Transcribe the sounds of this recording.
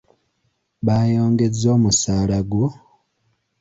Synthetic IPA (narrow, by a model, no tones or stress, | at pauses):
βaːjo̞ːŋɡe̞d͡zo̞ːmusaːlaɡwo